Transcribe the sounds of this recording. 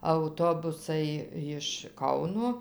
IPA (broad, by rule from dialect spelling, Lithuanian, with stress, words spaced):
ɐʊˈtoːbʊsɐɪ jɪʃ ˈkɐʊnoː